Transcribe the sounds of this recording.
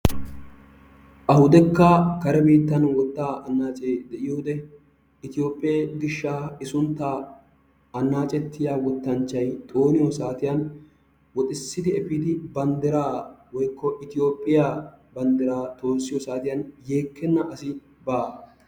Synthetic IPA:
ʔɐhʊd̪ɛkːɐkɐɾɛbiːt̪ːɐnwɔt̪ːaːʔɐnːaːt͡ʃʼeːd̪ɛʔɪjoːd̪ɛ | ɪt̪ɪjo̞ːpʼːɪjeːɡɪʃːaːɪsʊnt̪ːa | ɐnːaːt͡ʃʼɛt̪ʰːɪjaːwɔt̪ːɐnt͡ʃːɐjt̪ʼo̞ːnɪjɔsaːt̪ɪjɐn | wɔt̪ʼɪsːɪd̪ɪɛfiːd̪ɪbɐnd̪ɛɾaːwɔjkːɔʔɪt̪ɪjo̞ːpʼːɪja | bɐnd̪ɛɾaːt̪o̞ːsːɪjɔsaːt̪ɪjɐnje̞ːkʰːɛnːɐʔɐsɪ | baː

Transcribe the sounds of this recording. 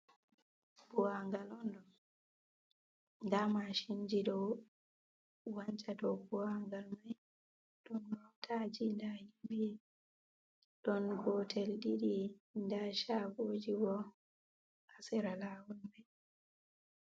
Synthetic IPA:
b̥uwaŋɡalɔndɔ | ndamaʃind͡ʒiɗɔw | waɲt͡ʃadɔbuwaŋɡalmaj | ɗɔnwawtʰad͡ʒindahimbi | ɗɔnɡɔtʰɛlɗiɗindaʃabod͡ʒiwɔ | asɛɾalaːwulmaj

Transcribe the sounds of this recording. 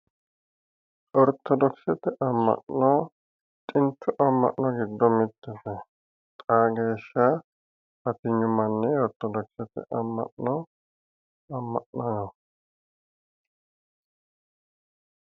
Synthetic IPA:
ʔɔɾt̪ʰːɔd̪ɔksɛt̪ɛʔɐmːɐ̰ʔnɔ | t̪ʼɪnt̪ʰːʊʔɐmːɐ̰ʔnɔɡɪd̪ːɔmɪt̪ʼːɛsɛ | t̪ʼaɡeːʃːɐ | pɐt̪ɪɲːʊmɐnːɪɔɾt̪ɔd̪ɔksɛt̪ɛ̰ʔɐmːɐ̰ʔnɔ | ɐmːɐ̰ʔnɐnɔ

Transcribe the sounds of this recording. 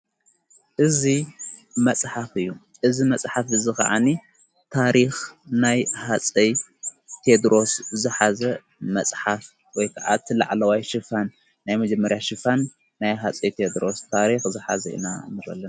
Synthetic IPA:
ʔɨzimɐt͡sʼħafɨjːu | ʔɨzimɐt͡sʼħafɨzikɐ̰ʕa̰ni | t̪ʰaɾixnajhat͡sʼɐj | t̪ʰe̞d̪ɾo̞szɨħazɐ | mɐt͡sʼħaf | wɔjkʰaʕa̰t̪ʰɨla̰ʕlɐwajʃɨfanː | ajmɐd͡ʒɛmːɐɾjaʃɨfanː | ajɦat͡sʼɐjt̪ʰed̪ɾo̞st̪ʰaɾixzɨħazɐ̰ḭnanɨɾɐ̰lːɐna

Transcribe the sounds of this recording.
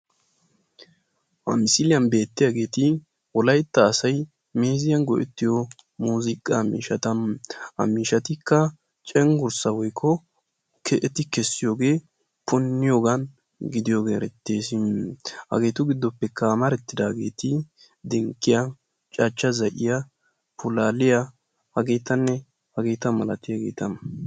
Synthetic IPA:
ʔɐ̰mɪsɪlɪjɐnbe̞ːt̪ːɪjaːɡe̞ːt̪ɪ | wɔlɐjt̪ːɐːsɐj | meːzɪjɐnɡɔʔɛt̪ːɪjɔ | muːzɪkʼːɐmḭːʃɐt̪ɐmɐ̰miːʃɐt̪ɪkːɐ | t͡ʃʼɛŋɡʊɾsɐwɔjkʰːɔ | kʰɛʔɛt̪ɪkɛsːɪjo̞ːɡe̞ː | pʰʊnːɪjoːɡɐn | ɡɪd̪ɪjo̞ːɡeːɾɛt̪ːeːsɪmhɐ̰ɡe̞ːt̪ʊɡɪd̪ːɔpːɛkːɐmɐɾɛt̪ːɪd̪aːɡe̞ːt̪ɪ | d̪ɛŋkʼːɪjɐ | t͡ʃʼaːt͡ʃːɐzɐʔɪjɐ | pʰʊlaːlɪjɐ | hɐɡe̞ːt̪ɐnːɛ | hɐɡe̞ːt̪ɐmɐlɐt̪ːɪjɐɡe̞̰ːt̪ɐm

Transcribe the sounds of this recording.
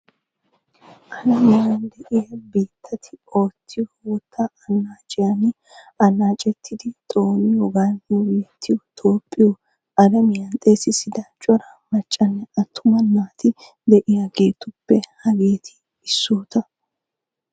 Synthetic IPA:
ʔɐd̪ɐmɪjɐnd̪ɛʔɪjɐbeːt̪ʰːɐt̪ʰɪoːt̪ʰːɪjɔwɔt̪ʰːɐɐnːaːt͡ʃʼɪjanɪ | ɐnːaːt͡ʃʼɛt̪ʰːɪd̪ɪt̪ʼo̞ːnɪɔɡanbeːt̪ʰːɪjɔt̪ʼo̞ːpʼːɪjɔ | ɐd̪ɐmɪjɐnt̪ʼe̞ːsɪsɪd̪ɐt͡ʃʼɔɾɐ | mɐt͡ʃʼːɐnːɛɐt̪ʰːʊmɐnːaːt̪ɪ | d̪ɛʔɪjaɡe̞ːt̪ʊpːɛhɐɡeːt̪ʰɪ̥ː | sːoːt̪ɐ

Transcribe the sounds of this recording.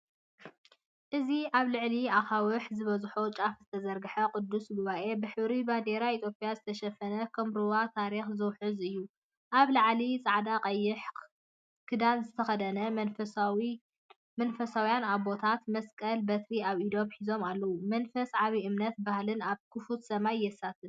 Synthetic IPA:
ʔɨziʔaβlɨʕliaxawɨħzɨβɐzħot͡ʃʼafzɨt̪ʰɐzɐɾɡɨħɐkʼʊd̪ːusɡuβaʔe̞bɨħɨβɾiband̪eɾait̪ʰjopʼijazɨt̪ʰɐʃɐfɐnɐkʰɐmɾuwat̪ʰaɾixzɨwħɨzɨjːu | ʔaβlaʕlit͡sʼaʕd̪aqʼɐjɪħ | kʰɨd̪anzɨt̪ʰɐxɐd̪ɐnɐf | mɐnfɐsawjanaβbo̞t̪ʰat̪mɐskʼɐlbɐt̪ʰɾiaβid̪o̞mħizo̞malːɐwumɐnfɐsʕaβiʔɨmnɐt̪̚bahlɨnaβkʰɨfut̪sɐmajːɛsat̪ʰɨn

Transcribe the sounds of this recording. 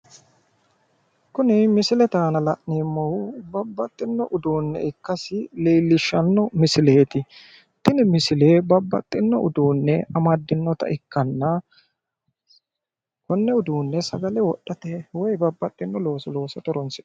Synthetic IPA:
kʊnɪmɪsɪlɛt̪aːnɐlɐʔneːmːɐwʊbɐbːɐt̪ʼːɪnːɔʔʊd̪uːnːɛ̰ʔɪkːɐsɪleːlːɪʃːɐnːɔmɪsɪleːt̪ɪ | t̪ɪnɪmɪsɪle̞ːbɐbːɐt̪ʼːɪnːɔʔʊ̰d̪uːnːɛɐmɐd̪ːɪnːɔt̪ɐ̰ʔɪkːɐnːɐ | kɔnːɛʊd̪uːnːɛsɐɡɐlɛwɔɗːɐt̪ɛwɔjbɐbːɐt̪ʼːɪnːɔlo̞ːsɔlo̞ːsɐt̪ɔɾɔnsɪ

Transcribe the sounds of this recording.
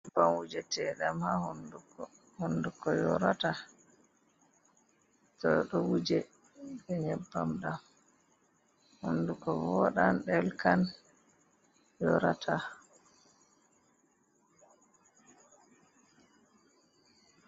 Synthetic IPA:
ɲɛbːamwud͡ʒɛtɛɗamhahundukɔ | hundukɔjɔɾata | tɔɗɔwud͡ʒɛ | ɓɛɲɛbːamɗam | hundukɔvɔɗanɗɛlkan | jɔɾatʰa

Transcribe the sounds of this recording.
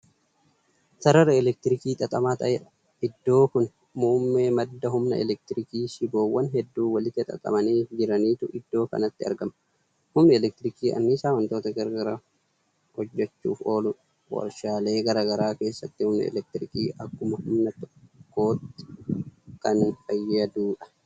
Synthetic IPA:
sɐɾɐɾɐɛlɛk̚t̪ɪɾɪkiːt̪ʼɐt̪ʼɐmaːt̪ɐʔe | ɪd̪ːo̞ːkʊn | muːmːe̞ːmɐd̪ːɐɦʊmnɐ̰ɛ̰lɛk̚t̪ɪɾɪkiːʃɪboːwːɐnɦɛd̪ːuːwɐlɪt̪ːɪt̪ʼɐ̰t̪ʼɐ̰mɐniːd͡ʒɪɾɐniːt̪ʊʔɪd̪ːo̞ːkɐ̰nɐt̪ːɪɐ̰ɾɡɐmɐ | hʊmnɛɛlɛk̚t̪ɪɾɪkiːʔɐ̰nːɪsaːwɐnt̪o̞ːt̪ɐɡɐɾɡɐɾa | hɔd͡ʒːɛt͡ʃːṵːfo̞ːlʊᶑ | wɔ̰ɾʃaːle̞ːɡɐɾɐɡɐɾaːke̞ːsːɐt̪ːɪhʊmnɐ̰ɛ̰lɛk̚t̪ɪɾɪkiːʔɐkːʊmɐhʊmnɐt̪ɔ̥kːo̞ːt̪ːɪ̥ | kɐnfɐjːɐd̪uːᶑɐ̥

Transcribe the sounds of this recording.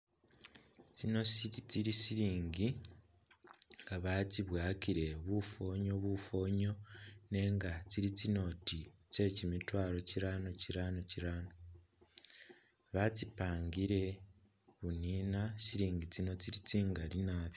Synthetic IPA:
t͡sino̞sit͡siɾisiɾiːŋɡi | ŋɡaβat͡siβwaːkiɾe̞βufo̞ːɲo̞βufo̞ːɲo̞ne̞ːŋɡat͡siɾit͡sino̞tit͡se̞cimitwaːɾo̞ciɾano̞ciɾano̞ciɾano | βat͡sipaːŋɡiɾe̞ | βuniːnasiɾiːŋɡit͡sino̞t͡siɾit͡siːŋɡalinaːβj

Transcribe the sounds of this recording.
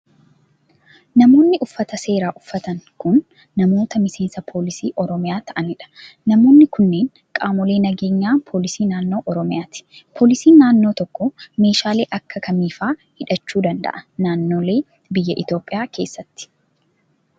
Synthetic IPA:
nɐmo̞ːnːɪʔʊfːɐt̪ɐse̞ːɾaːʔʊfːɐt̪ɐŋkʊnː | ɐmo̞ːt̪ɐmɪse̞ːnsɐpʰo̞ːlɪsiːʔɔɾɔmɪjaːt̪ɐʔɐnɪᶑɐ̥ | nɐmo̞ːnːɪkʊnːe̞ːŋ | kʼaːmɔle̞ːnɐɡe̞ːɲːaːnpʰoːlɪsiːnaːnːo̞ːʔɔɾɔmɪjaːt̪ɪ̥pʰo̞ːlɪsiːnnaːnːoːt̪ɔkːɔme̞ːʃaːle̞ːʔɐkːɐkɐmiːfaːhɪᶑɐt͡ʃːuːd̪ɐnd̪ɐ̰ʔɐ̥naːnːo̞ːle̞ː | bɪjːɐʔɪt̪o̞ːpʼːɪjaːkʰe̞ːsːɐt̪ːɪ̥

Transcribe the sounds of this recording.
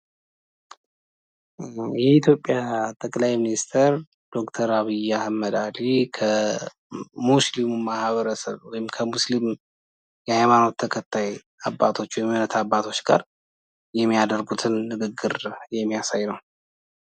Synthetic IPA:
jɛit̪ʰjo̞pʼːjat̪ʼəkʼlajminist̪ʰəɾ | d̪̥o̞kt̪ʰəɾaβɨjːahamːəd̪alikʰə | muslimumahβəɾəsə̰βwɔjɪmkʰəmuslim | jɛhajmano̞t̪ʰːəkʰət̪ʰːaj | abːat̪ʰo̞t͡ʃːwɔjmnət̪ʰabːat̪ʰo̞t͡ʃːɡa̰ɾ | jɛmːijad̪əɾɡut̪ʰɨnːɨɡɨɡːɨɾjɛmːijasajnəw

